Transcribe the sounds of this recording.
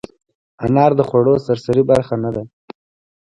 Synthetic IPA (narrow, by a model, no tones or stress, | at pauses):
anɑɾd̪əxwaɽosaɾsaɾibaɾxanad̪a